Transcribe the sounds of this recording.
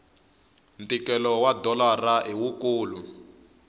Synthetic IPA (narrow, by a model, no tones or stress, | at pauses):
ntikɛlɔwadɔlaraʔiwukuːlu